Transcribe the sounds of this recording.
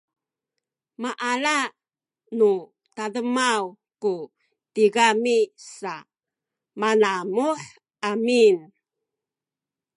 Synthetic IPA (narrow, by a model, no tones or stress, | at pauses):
maʔala | nu | tadəmaw | ku | tiɡamisa | manamuħ | ʔamin